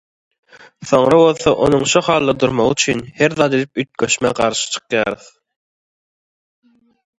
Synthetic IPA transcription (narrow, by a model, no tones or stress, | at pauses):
θo̞ŋɾɑβo̞lˠθɑʔo̞̰nuŋʃuχɑːlˠːɑd̪uɾmoʁyt͡ʃʰynheɾðɑːt̪ed̪ip̚yt̪̚kʲøʃmæqɑɾʃɯ̥t͡ʃʰɯ̥qjɑːɾɯθ